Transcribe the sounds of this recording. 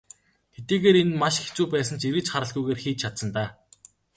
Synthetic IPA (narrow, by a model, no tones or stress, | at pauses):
xet̪iːɣeːɾenmaʃxe̥t͡suːpæːs̬ə̆nt͡ɕiɾɘ̆t͡ɕχaɾə̆ɮɣujɣeːrxiːt͡ɕt͡ɕʰat̪sə̆nt̪aː